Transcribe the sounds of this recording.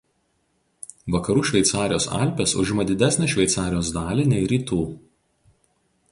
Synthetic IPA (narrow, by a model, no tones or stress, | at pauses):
ʋɐkɐɾuːʃʲʋʲɛɪt̪sɑːɾʲɪjoːsɑ̰ˑlʲpʲesʊ̰ʒʲɪmɐd̪ʲɪd̪ʲæsʲnʲeːʃʲʋʲɛɪt̪sɑːɾʲɪjoːzd̪ɑːlʲɪnʲɛɪɾʲiːt̪uː